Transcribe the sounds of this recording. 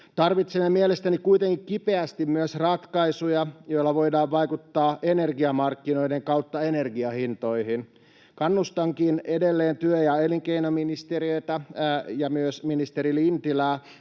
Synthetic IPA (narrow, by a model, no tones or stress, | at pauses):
t̪ɑrʋit̪semːemielest̪ænikuit̪eŋkikkipe̞æst̪immyøsrɑt̪kɑisujɑjo̞ilːɑʋo̞idɑːʋʋɑikut̪ːɑːʔene̞rɡiɑmɑrkːino̞ideŋkɑwt̪ːɑene̞rɡiɑhint̪o̞ihin | kɑnːust̪ɑŋkinedelːeːnt̪yøjɑeliŋkeinominist̪eɾiøit̪æjɑmyøsminist̪eɾilint̪ilæː